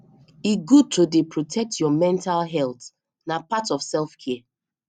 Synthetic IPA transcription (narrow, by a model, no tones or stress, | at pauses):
iɡud̚tʰodepʰɹɔtʰɛk̚tʰjɔmɛ̃ntalˠɦɛlt | napatɔfsɛlˠfkʰɛ